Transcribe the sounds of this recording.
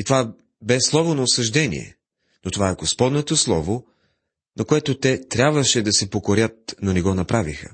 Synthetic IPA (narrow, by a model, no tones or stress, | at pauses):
it̪ova | bɛslˠɔvonɐʊsɐʒd̪ɛnḭɛ̰ | not̪ovaɛɡospɔd̪not̪oslˠɔvo | nɐkoɛt̪ot̪ɛt̪ɾʲabvəʃɛd̪ɐsɛpokoɾʲət̪̚nonɛɡɔnɐpɾavixə̰